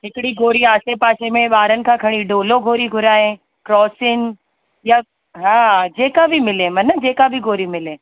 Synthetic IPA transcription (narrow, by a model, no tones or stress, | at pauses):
ɦɪkɪɽiɡoːɾiaːsepaːʃemẽɓaːɾənɪ̆kʰãːkʰɐɽ̃iɖoːloɡʱoːɾiɡʱʊɾaːɦẽ | kɾɔːsɪn | ja | ɦãːd͡ʑeːkabʱɪmɪlẽmɐnəd͡ʑeːkabʱɪɡoːɾimɪlẽː